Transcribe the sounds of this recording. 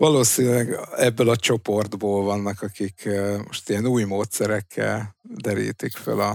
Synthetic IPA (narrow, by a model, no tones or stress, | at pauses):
vɒloːsinylɛɡɛbːølɒt͡ʃo̞po̞rd̪boːlvɒnːɒkɒkikʰːmo̞ʃt̪ijɛnuːjmoːt̪sɛɾɛkʰːɛ̰ld̪ɛɾḭːt̪ikfø̰lɒ